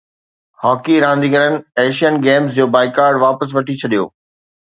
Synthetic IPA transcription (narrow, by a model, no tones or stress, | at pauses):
hɔːkiɾãːn̆d̪iɡəɾənɪ̆eːʃijənɡeːms̬d͡ʑoːbaːɪkaːɾɖʋaːpəs̬ʋɐʈʰit͡ɕʰɐɗijo̰ː